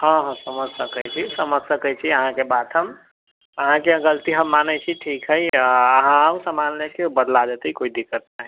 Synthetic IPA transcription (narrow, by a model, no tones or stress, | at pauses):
ɦə̃ɦə̃səməd͡ʒsəkəjt͡ʃʰisəməd͡ʒsəkət͡ʃʰiəɦãkebad̪ɦəm | əɦãkẽɡəlt̪iɦəmːanət͡ʃʰiʈʰikɦəiəɦãusəmanlekebəd̪lad͡ʒet̪əikoid̪ikːət̪naɦɛ